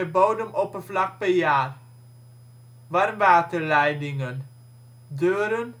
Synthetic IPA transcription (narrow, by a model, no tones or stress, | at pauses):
əboːdəmɔpəflɑk̚pɛrjaːr | ʋarmʋaːtəlɛjdɪŋən | døːɾən